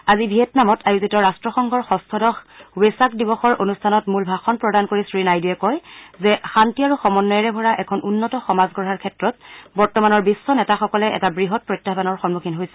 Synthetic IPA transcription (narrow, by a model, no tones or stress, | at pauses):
azibʱiɦetnamɔtajuzitɔɹastɹɔxɔŋɡʱɔɹxɔstʰɔdɔxwesakdibɔxɔɹonustʰanɔtmulbʱaxɔnpɹɔdankoɹisɹinajduɛkɔjzɛxantiaɹuxɔmɔnːɔjɔɹɛbʱɔɹaʔɛkʰɔnunːɔtɔxɔmazɡɔɦaɹkʰɛtɹɔt̚bɔɹtɔmanɔɹbisːɔnɛtaxɔkɔlɛʔɛ̰tabɹiɦɔt̚pɹɔjtːabanɔɹxɔnmukʰinɦojsɛ